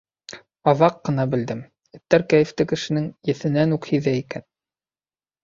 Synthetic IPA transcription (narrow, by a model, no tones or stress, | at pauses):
ɑðɑqːɤ̆nɑbɘ̆ld̪ɘm | ɘ̆t̪ːæɾkæjɘ̆ft̪ɘkɘ̆ʃɘ̆nɘŋjɘ̆θɘ̆nænukhiðæikæn